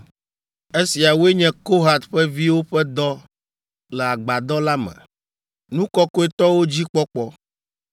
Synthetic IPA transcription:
e˦si˨a˨wu˦e˦ɲɛ̃˦ko˦ɦa˨t̪ɸɛ˦vi˦wo˦ɸɛ˦d̪ɔ˦ | lɛ˨a˨ɡ͡ba˨d̪ɔ˦la˦mɛ̰̃˨ | nũ˦kɔ˦ko˦e˦t̪ɔ˦wo˦d͡ʑi˦k͡pɔ˦k͡pɔ˦

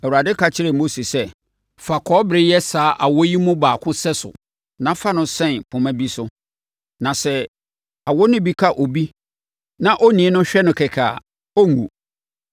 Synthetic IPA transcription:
ɛ˨wu˨ɾa˨dɪ˦kʰa˨t͡ɕʰɪ˦ɾe˨mo˦se˨sɛ˦ | fa˨kʰɔ˦bɾɪ˦jɛ˦saː˨˦ʔa˨wɔ˦ji˦mʊ̃˦baː˨kʰʊ̃˦sɛ˦sʊ̰˨ | nã˦fa˦nʊ̃˦sɛ̃˦˨npʰʊ̃˨mæ̃˦bi˦sʊ˦ | nã˨sɛ˦ | a˨wɔ˦nʊ̃˦bi˦kʰa˦˨ʔo˨bi˦ | nã˦ʔɔ˦nĩ˨˦nʊ̃˦ɕᶣɛ˦nʊ̃˨kʰɛ˨kʰa˨ | ɔ˦ŋṵ̃˨

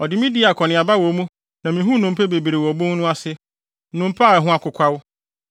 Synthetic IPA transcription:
ɔ˨dɪ˨mĩ˦di˦˨a˨kʰɔ˨nɪ̃˨a˨ba˦wɔ˨˦mũ˦ | nã˨mĩ˨ɦũ˦nʊ̃˨m̩˦pʰe˦be˨bi˨ɾe˨wɔ˨bõ˦ŋ˦nʊ̃˦a˦sɪ˦ | nʊ̃˨m̩˦pʰa˦˨ɛ˨ɦʊ̃˦a˦kʰʷʊ˨kʰʷa˦wʊ˦

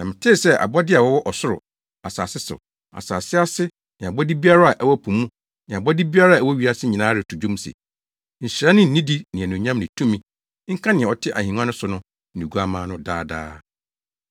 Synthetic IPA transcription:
nã˨mɪ̃˨tʰɪ˦˨sɛ˦ʔa̰˨bɔ˦dɪ˦a˨wɔ˦wɔ˦ʔɔ˨sʊ˦ɾʊ̰˨ | a˨saː˨sɪ˦sʊ̰˨ | a̰˨saː˨sɪ˦a˦sɪ˦ | nɪ̃˨a˨bɔ˦di˦bi˦a˦ɾa˦a˨ʔɛ˦wɔ˦pʰũ˨mũ˦ | nɪ̃˨a˨bɔ˦di˦bi˦a˦ɾa˦a˨ɛ˨wɔ˦ɥi˦a˦sɪ˦ɲĩ˨nãː˦ɾɪ˨tʰu˨d͡ʑũ˦msḛ˨ | ɲ̩˨ɕɪ˨ɾa˦nɪ̃˦n̩˨nĩ˦di˦nɪ̃˨æ˨nũ˨ɲã˦mnɪ̃˨tʰũ˦mĩ˦ | ŋ̩˦kʰã˦nɪ̃˨ɛ̃˨ɔ˨tʰɪ˦ʔa̰˨hĩ˨ŋ˦ã˦nʊ̃˦sʊ˨nʊ̃˦ | n̩˨ĩ˨ɡu˦a˦mãː˦nʊ̃˦daː˦da̰ː˦

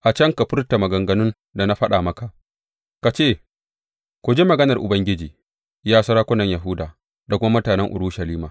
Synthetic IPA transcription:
ʔa˨t͡ʃɐ˦ŋka˨ɸʊ˦rta˨mɐ˨ɡɐ˨ŋɡɐ˨˦nʊ˦n | da˨na˦ɸɐ˦ɗa˨mɐ˦ka˨ʔ | ka˨t͡ʃeː˦˨ | kʷo˨d͡ʒe˦mɐ˨ɡɐ˦nɐ˨rʔʊ̰˨bɐ˦ŋɡʲɪ˦d͡ʒiː˨ | jaː˦sɐ˦ɾaː˦kʷʊ˦nɐ˨ɲja˨ɦʊ˦daː˨ | da˨kʷʊ˦ma˦mʊ˦taː˨nɛ˦ŋʔʊ̰˨ɽuː˦ʃɐ˨liː˦maː˨

